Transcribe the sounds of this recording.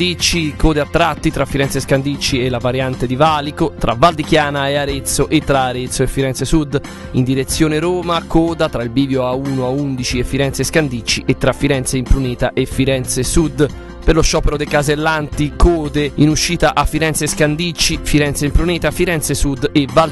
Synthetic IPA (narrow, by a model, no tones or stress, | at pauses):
it͡ʃːikoːd̪eat̪ːɾat̪ːit̪ɾafːiɾɛnt̪seskand̪it͡ʃːiɛlːavaɾjant̪ed̪ivalikot̪ɾʔa̰vald̪ikjaːnaeaɾet̪soʔet̪ːɾaːɾet̪sːoefːiɾɛnsesud̪ | ind̪iɾet̪sːjoːneɾoːmakoːd̪at̪ɾailbiːvjoauːnoaund̪it͡ʃiefːiɾɛnt̪seskand̪it͡ʃːiʔet̪ːɾafːiɾɛnt̪seimpɾuneːt̪aʔefːiɾɛnt̪sesud̪ | peɾloʃːɔːpeɾod̪ekazelːant̪ikoːd̪einuʃːiːt̪aʔafːiɾɛnt̪seskand̪it͡ʃːifiɾɛnt̪seimpɾunɛːt̪afiɾɛnt̪sesud̪eva